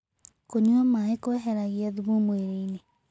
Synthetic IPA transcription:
koɲuɔmaːekoɛɦɛɾaɣiɛðuβomweɾeine

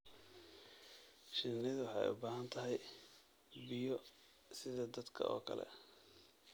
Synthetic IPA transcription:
ʃɪnɪðʊwɑħɑ̰jʊ̰baːɦɐnt̪ʰɐɦɛj | bɪjɔ | sɪðɐd̪ɐd̪kʰɐ̰ʔɔ̰ːkʰɐ̰lɛ̰

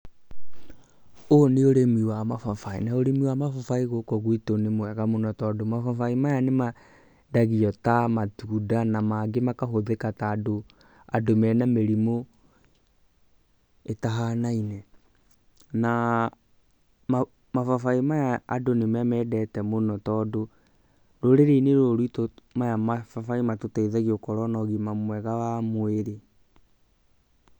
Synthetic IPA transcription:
oneoɾemiwamafafaḭnaoɾemiwamafafaiɣoːkɔɣwitonemoɛɣamonɔtɔdomafafaimajanema | daɣiɔtamatuːdanamaɡemakaɦoðekataːdo | adomɛnameɾimo | etaɦanainɛ | na | ma | mafafaimajaadonemamɛːdɛtɛmonɔtɔdo | ɾoɾeɾeneɾoɾitomajamafafaimatotaiðaɣiokɔɾɔnɔɣimamwɛɣawamoeɾe

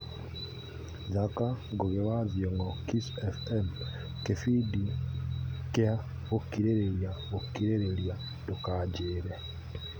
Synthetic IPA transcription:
zakaɡoɣeβazjɔŋɡɔkisɛfɛm | kefidi | kea | ɣokiɾeɾeɾjaɣokːiɾeɾelja | tokaɟeɾe

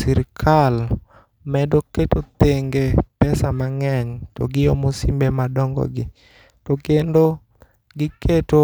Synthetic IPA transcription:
siɾkʰal | mɛdoketot̪eŋɡepɛsamaŋɛɲtɔɡɪjomosimbemadɔŋɡɔ̰ɡɪ | tɔkendo | ɡɪketo

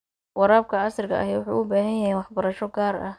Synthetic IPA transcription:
wɑɾaːb̚kʰɐɑsɐrkʰɐ̰ʔɐ̰ɦɛwʊħṵːʔʊbaːɦɐjjɐɦɛjwɑħbɐɾɐʃɔɡaːɾɐ̰h

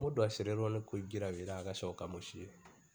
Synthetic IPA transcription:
mudwaʃiɾeɾonikuɟiɾaβiɾaːkaʃɔkamuʃie

